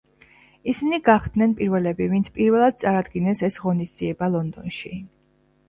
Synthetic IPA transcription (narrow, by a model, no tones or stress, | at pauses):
isiniɡaχd̪nɛnpʼiɾvɛlɛbivint̪sʰpʼiɾvɛlˠad̪̥̚t̪sʼaɾad̪ɡinɛsɛsʁɔnisd̪z̥iɛbalˠɔnd̪ɔnʃi